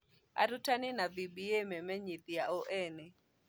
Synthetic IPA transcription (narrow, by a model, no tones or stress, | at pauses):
a̰ɾutanɪnavibiememɛɲit̪jaoʔɛnɪ